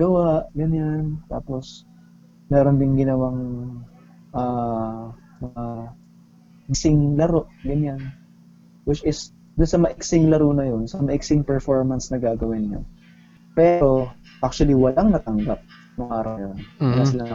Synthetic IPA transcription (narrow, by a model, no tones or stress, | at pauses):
ɡɐwaʔɡɐɲant̪aːpo̞s | mɛɾond̪ɪŋɡɪnɐwaŋ | ʔa | mɐŋa | mɪsɪŋlɐɾo̞ʔɡɐɲan | wɪt͡ʃɪs | d̪ʊnsɐmɐʔɪksɪŋlɐɾuːnɐjo̞nsɐmɐʔɪksɪŋpɛɹfoɹmɐnsnɐɡaːɡɐwɪnɲa̰n | pɛːɾo̞ | ʔak̚t͡ʃʊɐliwɐlaŋnɐt̪ɐŋɡap̚ | nʊŋʔaːɾɐwjonɐlasɪlaŋ